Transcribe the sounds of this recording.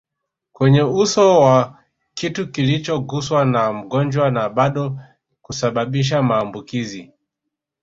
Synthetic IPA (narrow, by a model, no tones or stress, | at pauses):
kwɛɲɛusɔwa | kitukilit͡ʃɔɡuswanam̩ɡɔnd͡ʒwanaɓaɗɔ | kusaɓaɓiʃ̬amaːmbukizi